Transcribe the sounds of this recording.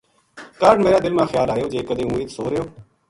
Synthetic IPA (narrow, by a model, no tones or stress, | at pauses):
kəɾɖmeːɾaːd̪ɪlmãːxʰɪjaːlaːjoːd͡ʒeːkəd̪eːũːɪksoːɾejoː